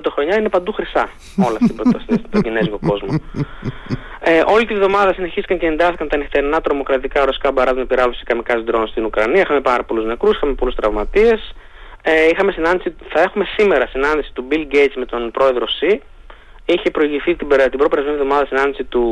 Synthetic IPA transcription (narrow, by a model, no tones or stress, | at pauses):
t̪oxɾo̞ɲɐinepɐnd̪uxɾisɐ | o̞lɐft̪ibosst̪oɟine̞zʝo̞ko̞zmo | eʔo̞lit̪ivðo̞mɐðɐsine̞çist̪i̥kɐnce̞ːnd̪ɐθikɐnt̪ɐneft̪eɾinɐt̪ɾo̞mo̞kɾɐt̪ikɐɾosi̥kɐbɐɾɐzmɐpiɾɐlosi̥kɐmikɐsid̪ɾonst̪inukɾɐniɐixɐme̞pɐɾɐpo̞luzne̞kɾusi̥xɐme̞po̞lust̪ɾɐvmɐt̪ie̞s | eixɐme̞sinɐnd̪isiθɐe̞xume̞sime̞ɾɐsinɐnd̪isi̥t̪ubilɟe̞jt̪sme̞t̪o̞npɾo̞e̞ðɾo̞si | içepɾo̞iʝiθit̪beɾt̪ibɾo̞peɾɐzmenivðo̞mɐðɐsinɐnd̪isit̪u